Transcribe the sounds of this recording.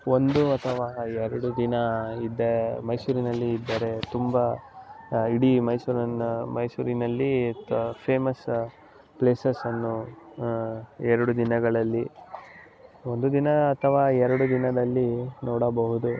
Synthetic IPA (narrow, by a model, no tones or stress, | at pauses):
o̞nd̪uɐt̪ʰɐʋaːɛɾɐɽud̪inɐid̪ːɐmɐjsuːɾinɐlːiːd̪ːɐɾe̞t̪umbɐ | iɽimɐjsuɾɐnːmɐjsuːɾinɐlːipʰeːmɐs | pleːsɐsɐnːu | ɛɾɐɽud̪inɐɡɐɭɐlːi | o̞nd̪ud̪inɐːt̪ʰɐʋaːɛɾɐɽud̪inɐd̪ɐlːinɔːɽɐbɐɦud̪u